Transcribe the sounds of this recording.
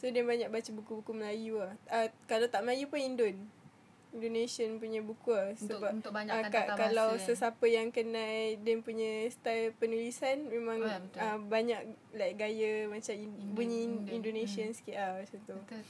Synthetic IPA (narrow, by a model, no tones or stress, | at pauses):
sodanbaɲak̚bat͡ʃəbukubukuməlajuahəkalawt̪aʔməlajupʊnindon | indonesiənpuɲə̃bukuasəbap̚akakalawsəsapəjaŋkənãjdɛmpuɲəst̪apənulisanmẽmãŋəbaɲak̚lajʔɡajəmat͡ʃambuɲəindonesiənskiʔasont̪u